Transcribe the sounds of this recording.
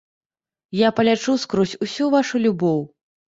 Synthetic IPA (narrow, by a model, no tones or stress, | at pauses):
japɐlʲat͡ʂuskɾɔsʲusʲuvaʂulʲubɔw